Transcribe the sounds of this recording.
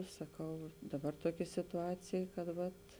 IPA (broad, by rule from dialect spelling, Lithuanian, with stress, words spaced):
sɐˈkɐʊ ɐʃ ˈdɑːˌbɐr ˈtuɔkʲeː sʲɪtʊˈɑːt͡sʲeːj kɐt ˈʋɐt